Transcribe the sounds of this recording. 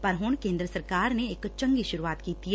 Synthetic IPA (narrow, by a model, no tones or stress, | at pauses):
pɐɾɦʊɳkẽːnd̪ɾəsɐɾkaːɾneːkt͡ʃɐ̃ŋɡiʃʊɾuaːt̪kiːt̪i